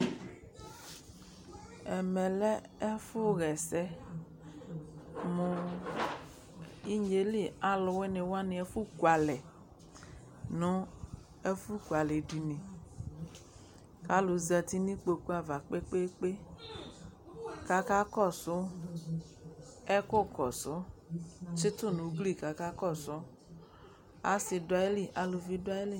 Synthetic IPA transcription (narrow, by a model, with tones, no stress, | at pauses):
ɛ˨mɛ̃˨lɛ˦e˦fʊ˦ɣɛ˨sɛ˦ | mõ˨ | i˦ɲe˨li˦a˨lʊ˨wɛ˦ne˨wo˦a˦nĩ˨ɛ˦fu˦ku˨a˨lɛ˨ | nɔ̃˦ | e˦fu˦kwa˨le˨ɖi˨nĩ˨ | ka˨˦lʊ˨zɛ˧ti˦ni˦k͡po˧ku˦a˦va˨k͡pe˦k͡pe˦k͡pe˦ | ka˦ka˦kɔ˦˨sʊ˦ | ɛ˦kʊ˦kɔ˨sʊ˨˦ | t͡ʃɪ˦tʊ˦˨nu˨˦ɡli˦˨ka˨ka˦kɔ˦˨sʊ˨˦ | a̰˦sɪ˧dʊ˨a˨je˦li˦˨ʔa˨lʊ˨vi˧dʊ˦a˦je˦li˦˨